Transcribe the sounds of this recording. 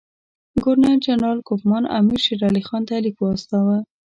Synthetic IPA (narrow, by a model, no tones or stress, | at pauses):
ɡʊɾnad͡ʒanɾɑlkʊpmɑna̰miɾʃiɾɑlixɑnt̪alikwɑst̪ɑwa